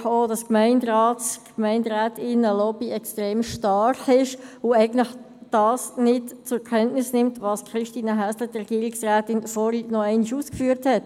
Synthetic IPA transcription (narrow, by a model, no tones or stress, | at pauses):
χoːdɑskmɛɪndɾɑːtkmɛɪndɾæːtɪnəlɔb̥iɛkstɾeːmʃtɑrχɪʃʊæɪɡn̩tlɪχ | d̥ɑːsnɪtt͡sʊɾkʰɛntnɪsnɪmtʋɑːskʰɾɪʃtiːnəɦæslədrɛɡ̥iəɾiksræːtɪnfɔɾinɔɛɪniʃuːskfyːɾthɛt